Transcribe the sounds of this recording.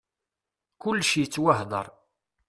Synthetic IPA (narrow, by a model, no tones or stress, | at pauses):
kʊlːʃijət͡sːwaɦðˤə̰ɾˤ